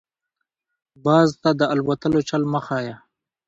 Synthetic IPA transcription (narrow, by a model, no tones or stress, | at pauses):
bɑːzt̪ad̪əalwat̪əlot͡ʃalməxaja